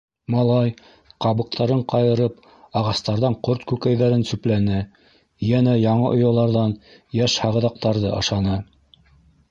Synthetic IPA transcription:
mɑlˠɑj | qɑβɤ̆q̚t̪ʰɑɾɤɴqɑjɤ̆ɾɤp | ɑʁɑst̪ɑɾðɑɴqoɾt̪kʉkæjðæɾɘnsʉplænɘ | jænæjɑɴɤʔŏjɑ̆lˠɑɾðɑnjæʃhɑʁɤ̆ðɑq̚t̪ɑɾðɤʔɑ̰̆ʃɑnɤ

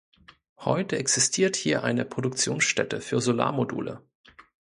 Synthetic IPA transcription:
hɔʏtəɛksɪstʰiːɐthiːɐʔaɪnəpʁ̥odʊkt͡sjoːnsʃtɛtəfyːɐzola̰ːɐmodṵːlə̰

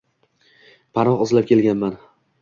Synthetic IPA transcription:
pʰanɒqɒzlap̚kʲʰe̞lɡʲanman

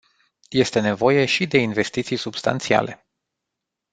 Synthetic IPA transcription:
je̞st̪e̞ne̞vo̞je̞ʃid̪e̞inve̞st̪it̪sijsubst̪a̰nt̪sia̰le̞

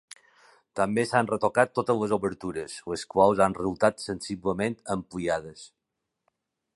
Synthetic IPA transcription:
t̪ambesanrət̪okat̪ːot̪ələzoβəɾt̪uɾəsləskwalˠzanrəzulˠt̪at̪sənsiβləment̪əmpliaðəs

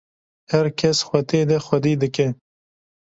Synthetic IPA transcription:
hɐɾkʰɐsxwɐt̪eːd̪ɐxwɐd̪iːd̪ɨkɛ

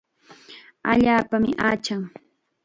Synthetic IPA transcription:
a̰ʎaːpamɪʔaːt͡ʃaŋ

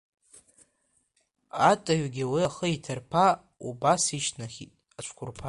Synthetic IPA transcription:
atʼaɥɡʲiwiaχəitʰarpʰa | ubasiʃnaχʲitʼat͡ʃʷʰkʷʰʊrpʰa

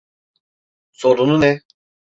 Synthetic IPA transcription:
soɾununɛ

